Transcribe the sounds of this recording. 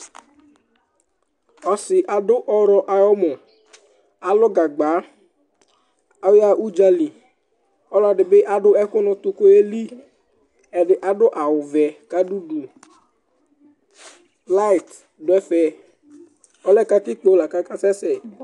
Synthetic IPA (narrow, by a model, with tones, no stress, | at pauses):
ɔ˨sɪ˨ʔa˨dʊ˦ʔɔ˦ɾɔ˦ʔa˨jɔ˦mɔ˨ | a˨lʊ˦ɡa˨ɡ͡ba˨˦ | a˦wa˨ʔu˦d͡ʒa˦li˨ | ɔ˦la˨ɖɪ˨bɪ˦ʔa˦ɖʊ˦ɛ˦kʊ˦nʊ˨t̪ʊ˦ko˦e˦li˦ | ɛ˨ɖɪ˨ʔa˨dʊ˦ʔa˨wʊ˨vɛ˨ka˦du˦du˨ | la˦ɪ˨t | dʊ˨˦ɛ˦fɛ˨ | ɔ˦lɛ˦ka˦tɪ˦k͡po˦la˨ka˦ka˦sɛ˦sɛ˨